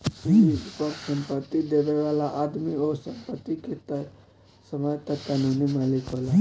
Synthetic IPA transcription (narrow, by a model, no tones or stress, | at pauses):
iiupəɾsəmpət̪ːid̪ebeʋalaʔad̪miosəmpət̪ːiket̪ə | səməjt̪akanunimalikɦola